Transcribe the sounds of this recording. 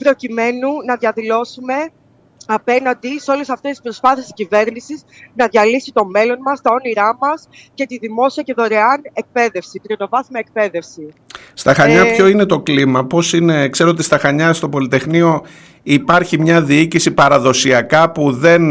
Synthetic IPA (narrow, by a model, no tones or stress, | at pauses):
pɾo̞cime̞nunɐðjɐðilo̞sume̞ | ɐpe̞nɐnd̪iseo̞le̞sɐft̪est̪i̥spɾo̞spɐθiscive̞ɾnisiznɐðʝɐlisit̪o̞me̞lo̞nmɐst̪ɐo̞niɾɐmɐs | ce̞t̪iðimo̞siɐce̞ðo̞ɾeɐne̞k̚pe̞ðe̞fsit̪ɾino̞vɐθmɐek̚pe̞ðe̞fsi | st̪ɐxɐɲɐpço̞ine̞t̪o̞klimɐpo̞sine̞kse̞ɾoot̪ist̪ɐxɐɲɐst̪o̞po̞lit̪e̞xnio̞ | ipɐɾçimɲɐðiicisipɐɾɐðo̞siɐkɐpuðe̞n